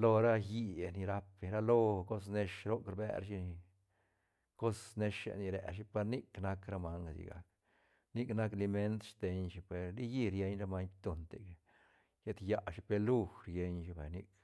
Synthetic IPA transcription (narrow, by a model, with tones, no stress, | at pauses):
lo˧ɾa˦ji˧˨ni˧ɾa˦pɾa˦lo˦ko˦s̬ne˧ʃɾo˦kɾbḛ˧ɾʃi˧ | ko˦sne˧ʃa̰˧ni˧ɾḛ˨ʃ̬i˦pa˧ɾni˦kna˦kɾa˧ma˧ŋ˨sḭ˨ɡa̰˨k | ni˦kna˦kli˧me˦nt̪ʃt̪e˧ɲʃi˧pe˨ɾli˦ji˦˧ɾje˧ɲɾa˦ma˦ɲt̪o˨nt̪e˨k | je˦t̪ja˧˨ʃi˦pe˧lu˦˧xɾje˧ɲʃi˧bḛ˨ni˦k